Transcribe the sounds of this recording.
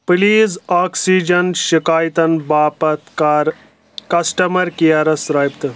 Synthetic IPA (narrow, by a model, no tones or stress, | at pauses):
pliːzaːksiːd͡ʒɐnʃikaːjt̪ɐnbaːpɐt̪kaɾ | kɐsʈɐmɐɾkijɐɾɐsɾɐːjpt̪ɨ